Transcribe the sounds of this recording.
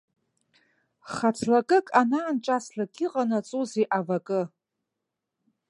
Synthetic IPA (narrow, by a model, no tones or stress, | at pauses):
χat͡sʰlakʼɨkʼanaːnt͡ʃʼaslakʰʲʼɪqʼanat͡sʼuziʔavakʼɨ